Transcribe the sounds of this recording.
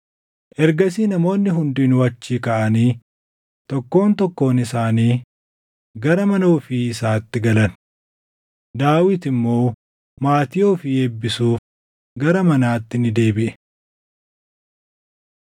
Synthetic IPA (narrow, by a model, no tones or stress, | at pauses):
ʔɛɾɡɐsiːnɐmo̞ːnːɪɦʊnd̪iːnwɐt͡ʃːiːkɐʔɐniː | t̪ɔkːo̞ːnt̪ɔkːo̞ːnɪsaːniː | ɡɐɾɐmɐnoːfiɪsaːt̪ːɪɡɐlɐn | d̪aːwɪt̪ɪmːo̞ː | maːt̪ɪjoːfɪeːbːɪsuːf | ɡɐɾɐmɐnaːt̪ːɪnɪd̪e̞ːbɪʔɛ̥